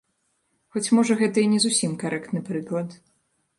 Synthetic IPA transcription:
xɔt͡sʲmɔʐɐɣɛt̪ɐinʲɛzusʲimkaɾɛkt̪nɨpɾɨklˠɐt̪

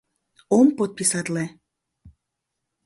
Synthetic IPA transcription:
ompot̪̚pisat̪le

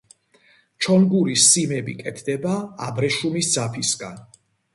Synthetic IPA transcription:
t͡ʃʰɔnɡuɾisːimɛbḭkʼɛt̪ʰd̪ɛbaabɾɛʃumisd̪z̥apʰisɡa̰n

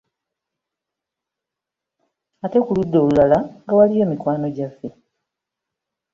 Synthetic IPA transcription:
ate̞kuludːo̞ːlulalaŋɡawalijo̞ːmikwaːno̞ɟafːe̞

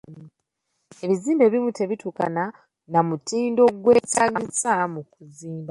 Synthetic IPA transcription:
e̞βiziːmbe̞ːβimute̞βituːkana | namutiːndo̞ɡwe̞ːtaːɡisamukuziːmba

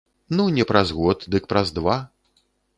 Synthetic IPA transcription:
nunʲɛpɾazɣɔt̪d̪ɨk̚pɾɐzd̪va

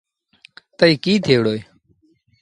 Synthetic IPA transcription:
t̪əiːkiːt̪ʰeːʋɽoːeː

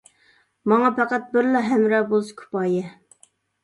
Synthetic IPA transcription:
mɑŋɑpʰæqæt̪̚bɪɾlɑɦæmɾɛbolˠskʰu̥pɑjɛ

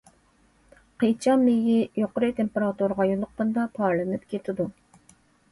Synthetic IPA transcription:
qet͡ʃʰɑmːejijoqʊɾɨt̪ʰempeɾɑt̪uɾʁɑjolˠːʊq̚qənd̪ɑpʰɑɾlˠɨnɨpkʲet̪ʰɪd̪u

